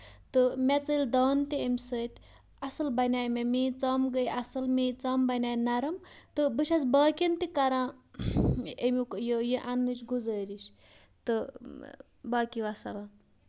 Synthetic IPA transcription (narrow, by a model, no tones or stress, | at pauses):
t̪ɨmʲɛt͡sɨlʲd̪aːnt̪iemʲsəːt̪ʲ | ɐsɐlbɐnʲaːjmemiːt͡sɐmɡəjɐsɐlmit͡sɐmbɐnʲaːjnɐɾɐmt̪ɨbɨʃʰʲas̬baːkʲint̪ikɐɾãː | emikjijiʔanːɨt͡ʃɡuzəːɾiʃ | t̪ɨ | baːkiʋɐsɐla